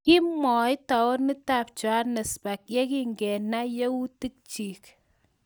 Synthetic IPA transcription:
ki˦mɔ˨jta˨wɔ˦ni˦ta˨p̚t͡ʃwa˦nɛ˨spa˨k̚je˦ki˦ŋɡɛ˨na˦je˦u˦ti˦k̚t͡ʃi˨k

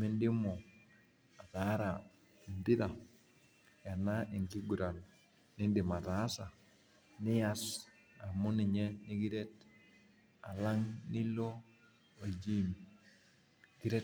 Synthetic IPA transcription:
me˦ndɪ˦mo˨ | a˨ða˨˦ɾa˨ | i˨ntɪ˦ða˨ | ja˨na˦ʔe˨ŋki˦ɡu˨ɾa˨n | nɪ˦ndɪ˨ma˨ta˨˦sa˨ | nɪ˦ja˦s | a˨mʊ˦nɪ˨ɲɛ˦nɪ˦ɡi˦ɾe˦t | a˨la˦ŋnɪ˦lo˦ | o˨d͡ʒi˦m˨ | ɡ̥i˦ɾe˦

